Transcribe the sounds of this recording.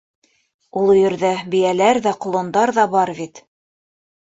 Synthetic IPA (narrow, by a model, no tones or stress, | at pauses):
ulˠŏjɘ̆ɾðæbĭjælæɾðæqŏlˠŏnd̪ɑɾðɑbɑɾβit̪